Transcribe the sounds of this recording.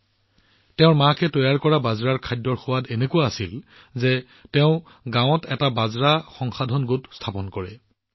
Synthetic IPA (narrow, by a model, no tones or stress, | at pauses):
tɛʊ̃ɹmakɛtɔjaɹkɔɹabazɹaɹkʰajdɔɹxowatenekuaasil | zɛ | tɛʊ̃ | ɡãw̃ɔtɛtabazɹaxɔŋxadʱɔnɡotstʰapɔnkɔɹɛ